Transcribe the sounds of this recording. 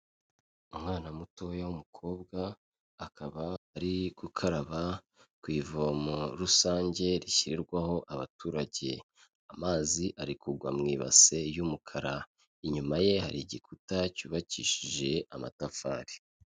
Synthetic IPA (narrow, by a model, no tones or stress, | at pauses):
umŋaːnamuto̞jawumukʰo̞ːbɡaː | kaβaːɾiɡ̥ukʰaɾaβa | kwiːvomoɾusaːɲɟe̞ɾiçiɾiɾɡwaho̞ʔaβa̰tuːɾaɟe̞̰ | amaːziʔaɾikuɡwa̰mŋiːβa̰t͡se̞jumukʰaɾa | iɲumaje̞haɾiɟikʰutacuːβaciːʃiʒe̞ama̰tafa̰ːɾi